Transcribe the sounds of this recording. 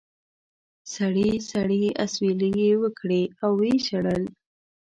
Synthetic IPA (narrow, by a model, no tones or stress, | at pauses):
saɽisaɽeasweləjewəkɽeawːeʃaɽəl